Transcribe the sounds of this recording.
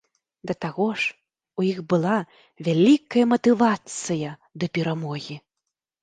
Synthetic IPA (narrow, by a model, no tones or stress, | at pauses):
d̪ɐt̪aɣɔʂ | ujixbɨlˠa | vʲalʲikɐjɐmɐt̪ɨvat̪sɨjɐd̪ɐpʲɛɾamɔɣʲi